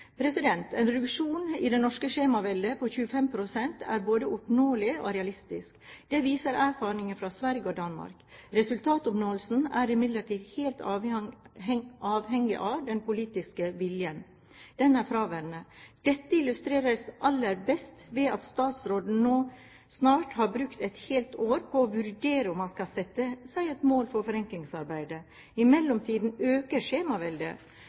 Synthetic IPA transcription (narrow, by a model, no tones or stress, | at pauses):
pʰɾɛsɪd̪ɛnt̪ʰɛːnɾɛʉkʂuːnɪːd̪ɛnɔʂkəʂeːmɑʋɛld̪əpɔçʉːəfɛmpʰɾʊsɛnt̪ʰæ̰ːɾboːd̪əʔʊpnoːlɪo̰ːɾɛɑlɪst̪ɪskd̪̥ɛʋiːsəɾæɾfɑːɾnɪŋəfɾɑːsʋæɾɡəod̪ɑnmɑ̰ɾkɾɛsʉlt̪ʰɑːt̪ʊpnoːəlsn̩æɾɪmɪd̪ləʈiːd̪heːlt̪ | ɑːʋhɛŋːɪ̰ʔɑʋd̪ɛnpʊliːt̪ɪskəʋɪljən | d̪̥ɛnæɾfɾɑːʋæɾnəd̪̥ɛt̪ːəɪlʉst̪ɾeːɾəsʔɑlːəɾbɛst̪ʋɛːɑt̪st̪ɑːt̪sɾoːd̪n̩noː | snɑːʈhɑɾbɾʉkt̪ɛt̪heːlt̪oːɾpʰɔːʋʉɾɖeːɾəɔmːɑnskɑsɛt̪ːəsæɪɛt̪moːlfɔɾfɔɾɛŋklɪŋsɑɾbæɪd̪ə | ɪmɛlːɔmt̪ʰiːd̪n̩øːkəʂeːmɑʋɛld̪ə̰